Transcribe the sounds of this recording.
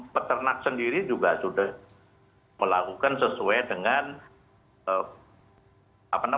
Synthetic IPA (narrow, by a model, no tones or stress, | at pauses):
pət̪ərnak̚səndiɾid͡ʒuɡasudah | məlakukansəsuajdəŋan | ə | apana